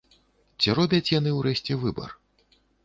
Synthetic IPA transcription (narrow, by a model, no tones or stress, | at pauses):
t͡sʲiɾɔbʲɐt͡sʲjan̪ɨwɾɛɕʲt͡sʲɛvɨbɐ̰r